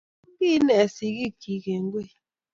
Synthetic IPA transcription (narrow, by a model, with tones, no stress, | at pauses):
bi˦nɛ˨si˨ɣi˦ki˨ke˨ŋ˦ɡwe˦˨